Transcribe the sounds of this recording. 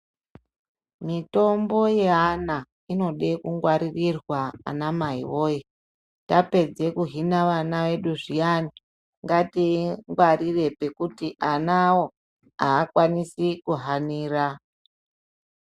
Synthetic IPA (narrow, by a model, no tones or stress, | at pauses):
mito̞mbo̞jeɦana | ino̞ɗe̞kuŋɡwaɾirirwaa̰namaɦḭʋo̞ːi | tape̞d͡ze̞kuɦinaʋanaʋe̞ɗuʐijani | ŋɡatiŋɡwarire̞pe̞kutiʔanawo̞ | aːkwanisikuɦaniːɾa